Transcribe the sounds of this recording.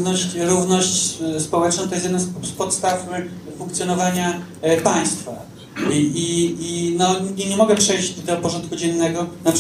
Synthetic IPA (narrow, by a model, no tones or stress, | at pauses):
nɔɕt͡ɕɾuvnɔɕt͡ɕspɔwɛt͡ʂnɔ̃t̪ɔjɛst̪ɛd̪nasspɔt̪st̪affuŋkt̪sʲjɔnɔvaɲa | paj̃st̪fa̰ | iinɔɲɛɲɛmɔɡɛpʂɛjʑd̪ɔpɔʐɔnt̪̚kud͡ʑɛnːɛɡɔnap